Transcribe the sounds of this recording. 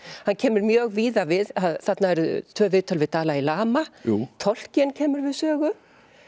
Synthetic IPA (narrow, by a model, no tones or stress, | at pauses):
hanːcʰɛːmʏɾmjœːɣviːðavɪðaðθat̪naɛɾʏt̪ʰvœːvɪːt̪ʰɔlvɪðt̪aːlailaːmaut̪ʰɔl̥cɛncʰɛːmʏɾvɪðsœːɣʏ